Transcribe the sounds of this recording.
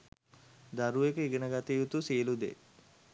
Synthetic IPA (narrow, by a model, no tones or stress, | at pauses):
d̪aɾuʋekəiɡənəɡat̪ijut̪usilud̪ḛ